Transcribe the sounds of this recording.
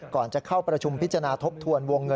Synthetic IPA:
kɔː˨˩nt͡ɕa˨˩kʰa˥˩wpɾa˧t͡ɕʰu˧mpʰi˦˥t̪t͡ɕːa˧a˧naː˧t̪ʰo˦˥p̚t̪ʰu˧ənwo˧ŋːɤ˧

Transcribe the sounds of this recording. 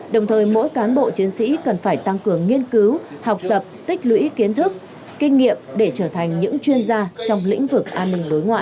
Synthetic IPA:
ɗə˨˩wŋ͡mt̪ʰəː˨˩jmo̰˧˥jkaː˨˦nɓo̰˧˨t͡ɕi˨˦ənsḭ˧˥kə˨˩nfaː˧˩jt̪a˧ŋkɨ˨˩əŋːi˧ənkɨ˨˦wha˨˩wk͡p̚t̪ə˨˩p̚t̪ï˦˥k̟̚lwḭ˧˥ki˨˦ənt̪ʰɨ˦˥k̚ | kï˧ŋ̟ːḭ˧˨əm̚ɗe˧˩t͡ɕəː˧˩t̪ʰa˨˩jŋ̟ɲɨ̰˧˥ŋt͡ɕwi˧ənzaː˧t͡ɕɔ˧wŋ͡mlḭ̈˧˥ŋ̟vɨ˨˩k̚ʔaː˧nːï˧ŋ̟ɓo˨˦jŋwa̰ː˧˨ʔ

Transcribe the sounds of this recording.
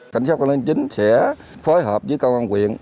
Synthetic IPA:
ka˧˩jŋ̟saː˦˥t̚ka˧li˧nt͡ɕï˨˦ŋ̟sɛ˧˥ | foː˨˦jɦəː˨˩p̚zɨ˨˦jkə˧wʔaː˧nkwḭ˧˨ən

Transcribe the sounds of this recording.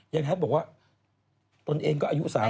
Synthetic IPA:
ja˧ŋɦɛ˦˥ɔː˨˩k̚waː˥˩ | t̪o˧nʔeː˧ŋkɔː˥˩aː˧jṵ˦˥ʔsaː˩˦

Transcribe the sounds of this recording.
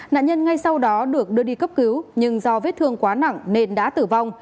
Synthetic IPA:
na̰ː˧˨nɲə˧nŋa˧jsa˧wɗɔ˨˦ɗɨ˨˩ək̚ɗɨ˧əɗi˧kə˦˥p̚ki˨˦wɲɨ˧ŋzɔ˧veː˨˦˥t̚t̪ʰɨ˧əŋkwaː˨˦na̰˧˨ŋne˧nɗa̰ː˧˥t̪ɨ˧˩va˧wŋ͡m

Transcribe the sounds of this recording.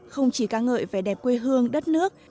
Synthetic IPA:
xə˧wŋ͡mt͡ɕi˧˩kaː˧ŋə̰ː˧˨jfaː˧˩jɗɛ˨˩p̚kwe˧ɦɨ˧əŋɗə˦˥t̚nɨ˦˥ək̚

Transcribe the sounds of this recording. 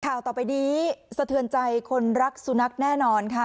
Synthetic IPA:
kʰaː˨˩wt̪ɔː˨˩pa˧jniː˦˥sa˧t̪ʰɯ˧˩ənt͡ɕa˧jkʰo˧nɾa˦˥k̚su˧na˦˥k̚nɛː˥˩nɔː˧nkʰa˥˩

